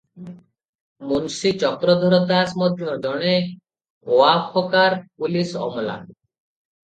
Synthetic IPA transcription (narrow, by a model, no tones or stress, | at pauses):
munsit͡ʃɔkɾɔd̪ʱɔɾɔd̪asmɔd̪ʱjɔd͡ʒɔɽ̃e | oapʰɔkaɾpulisɔ̰mɔla̰